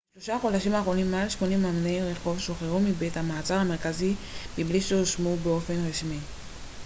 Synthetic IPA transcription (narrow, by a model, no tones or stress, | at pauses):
ʃloʃaχo̞daʃimaːχʁo̞nimːealʃmo̞nimamneiʁeχo̞vʃo̞χeʁumibethamaːt͡saʁhame̞ʁkazimibliʃeoʃmubeo̞fe̞nʁaʃmi